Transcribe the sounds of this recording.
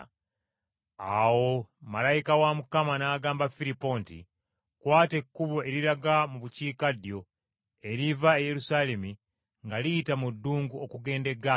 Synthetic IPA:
awo̞malajikawamukamanaːɡaːmbafiɾipo̞ːntḭ | kwaːte̞kːuβoe̞ɾiɾaɡamuβuciːkadjo̞ | e̞ɾivaeje̞ɾusaːle̞mi | ŋɡalitamudːuːŋɡuokuɡe̞ːnde̞ɡa

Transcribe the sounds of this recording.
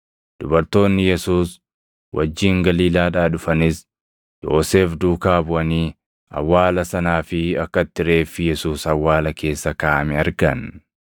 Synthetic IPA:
d̪̥ʊbɐɾt̪o̞ːnːɪjɛsuːs | wʔɐ̰d͡ʒːiːŋɡɐliːlaːᶑaːᶑʊfɐnɪs | jo̰ːse̞ːfd̪uːkaːbʊʔɐniː | ɐ̰wːaːlɐsɐnaːfɪɐkːɐt̪ːɪɾe̞ːfːɪjɛsuːsɐwːaːlɐkʰe̞ːsːɐkaːmɪɐɾɡɐn

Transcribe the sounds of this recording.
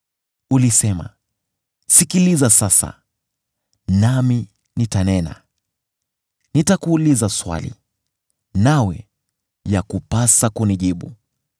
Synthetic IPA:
ulisɛma̰ | sikilizasasa̰ | nami | nitanɛna̰ | nitakuːlizaswa̰lḭ | nawɛ̰ | jakupasakuniʄiɓu

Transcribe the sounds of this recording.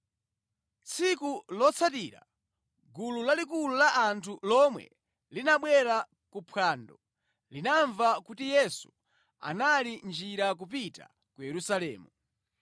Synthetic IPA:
t͡sʰikulɔt͡sʰatiːɾa̰ | ɡululalikululaʔːntʰulɔmwɛ̰ | linaɓwɛɾa | kupʰwaːndɔ | linaɱvakutijɛsu̥ | a̰nalind͡ʒiɾak̬upita̰ | kujɛɾusalɛːmu

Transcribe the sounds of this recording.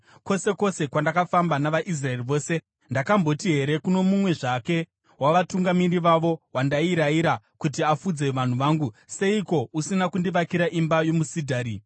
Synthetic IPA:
ko̞se̞ko̞se̞kwandakafambanaʋaʔis̬rae̞riʋo̞ːse̞ | ndakambo̞tiɦe̞ɾe̞kuno̞mumwe̞ʐake̞ | waʋatuŋɡamiriʋaʋo̞wandaiɾaiɾa | kut̬iafud͡ze̞ʋan̤uʋaːŋɡuse̞iko̞usinakundiʋakiɾaʔimbajo̞musidʱaːɾi

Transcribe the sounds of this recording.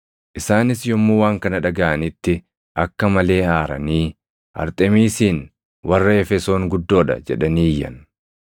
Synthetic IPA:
ʔɪsaːnɪsjɔmːuːwaːŋkɐnɐᶑɐɡɐʔɐnɪt̪ːɪ | ʔɐkːɐmɐle̞ːaːɾɐ̰niː | ʔɐ̰ɾt̪ʼɛmiːsiːn | wɐrːɐɛfɛso̞ːŋɡʊd̪ːo̞ːᶑɐ̰d͡ʒɛᶑɐniːjːɐ̰n

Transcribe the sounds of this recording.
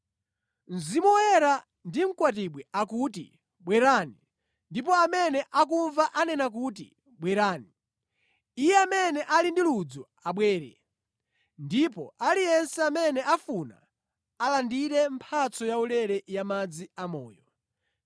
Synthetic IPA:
n̩zimɔjɛɾa | ndim̩kwat̬iɓwɛakutḭ | ɓwɛɾani | ndipɔamɛnɛʔak̬uɱvaʔanɛnak̬utḭ | ɓwɛɾaːniː | jɛamɛnɛʔalindilud͡zɔ | aɓwɛːɾɛ̰ | ndipɔʔalijɛnsɛamɛnɛʔafuna̰ː | landiɾɛmpʰat͡sɔjaulɛɾɛjamad͡ziamɔːjɔ

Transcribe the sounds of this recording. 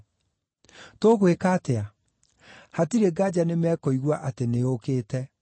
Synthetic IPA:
toɣwekaːtea | hatiɾeɡad͡ʑanemɛkɔiɣwaʔateneokeːtɛ

